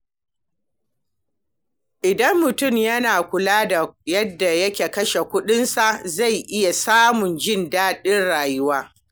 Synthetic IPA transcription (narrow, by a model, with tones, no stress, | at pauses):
ʔɪ˨dɐ˦mːʊ˨tʊ˦˨mjɐ˦naː˨kʷʊ˨laː˦da˨jɐ˦dːa˨jɐ˦kʲeː˨kɐ˦ʃe˨kʷʊ˦ɗɪ˦nsa˨ʔza˦˨jʔɪ˦ja˨saː˦mʊ˨nd͡ʒɪ˦ndaː˦ɗɪ˦nɽaː˨jʊ˦waː˦